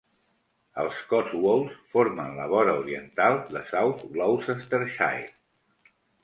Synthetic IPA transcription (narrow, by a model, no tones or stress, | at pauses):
ə̰lˠskɔwolˠsfoɾmənləβɔɾəuɾiənt̪alˠd̪əsawt̪ɣlɔwsəst̪əɾʃa̰j